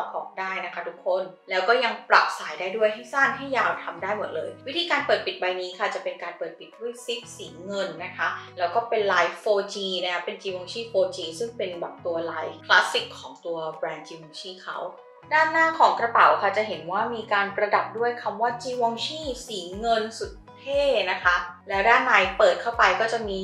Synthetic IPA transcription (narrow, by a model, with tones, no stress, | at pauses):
ɔ˨˦˩p̚ʔɔ̰ː˨˩k̚daː˥˩jna˦˥kʰa˦˥t̪ʰu˦˥kʰːo˧˩n | lɛː˦˥wkɔː˥˩ja˧ŋpɾa˨˩p̚saː˩˦jdaː˥˩jdu˥˩əjɦa˥˩jsaː˥˩nɦa˥˩jːaː˧wt̪ʰa˧mdaː˥˩jmo˨˩t̪̚lɤː˧jwi˦˥t̪ʰiː˧kaː˧npɤː˨˩t̪̚pi˨˩t̪̚ba˧jniː˦˥kʰa˥˩t͡ɕa˨˩pe˧nkaː˧npɤː˨˩t̪̚pi˨˩t̪̚pʰːu˦˥˩ə˨jsi˦˥p̚siː˩˦ŋɤ˧nːa˦˥kʰa˦˥lɛː˦˥wkɔː˥˩pe˧nlaː˧jfoː˧t͡ɕiː˧na˦˥kʰa˦˥pe˧nt͡ɕiː˧wɔ˧ŋt͡ɕʰiː˥˩foː˧t͡ɕiː˧sɯ˥˩ŋpe˧nba˨˩t̚t̪u˧ɐlaː˧˥jkʰlaː˦˥si˨˩kʰːɔː˩˦ŋt̪u˧ɐbɾɛː˧nt͡ɕiː˧wɔ˧ŋt͡ɕʰiː˥˩kʰa˦˥w | daː˥˩nːaː˥˩kʰɔː˩˦ŋkɾa˧pa˨˩wkʰa˥˩t͡ɕa˨˩ɦe˩˦nwaː˥˩miː˧kaː˧npɾa˧da˨˩p̚du˥˩əjkʰa˧mwaː˥˩t͡ɕiː˧wɔ˧ŋt͡ɕʰiː˥˩siː˩˦ŋɤ˧nsu˨˩t̪̚p̪ʰeː˥˩na˦˥kʰa˦˥lɛː˦˥wdaː˥˩nːaː˧jpɤː˨˩t̪̚kʰa˥˩wpa˧jkɔː˥˩t͡ɕa˨˩miː˧